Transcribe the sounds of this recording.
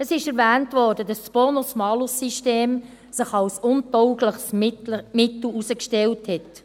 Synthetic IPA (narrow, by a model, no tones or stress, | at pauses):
əsɪʃɛɾvæːntvɔːɾdədɑssb̥onosmɑːlʊsiʃteːm | sɪχɑlsʊntɔʊɡləχsmɪtl̩usəkʃtɛlthɛt